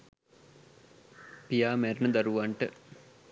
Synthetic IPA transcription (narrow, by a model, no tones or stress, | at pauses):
pijaːmæɾnəd̪ɐɾuʋaɳʈə